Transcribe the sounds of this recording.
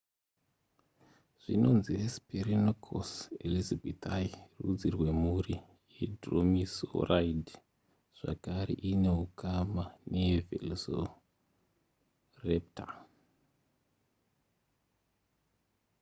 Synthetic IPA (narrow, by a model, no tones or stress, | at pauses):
ʐ̥ino̞nziesperinokʰo̰selizabʱetairṵd͡zirwe̞muɾi | jedro̰miso̰raid | ʐ̥a̰kaɾḛʔine̞ɦukamanevḛlzo | rep̚ta